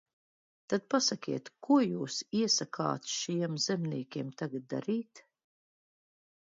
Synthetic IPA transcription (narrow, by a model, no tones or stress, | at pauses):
t̪ad̪̚pasakʲiɛt̪kuɔjuːsiɛsakʰa̰ːt̪sʃijɛmzɛmniɛkʲiɛmt̪aɡad̪̚d̪a̰ɾiːt̪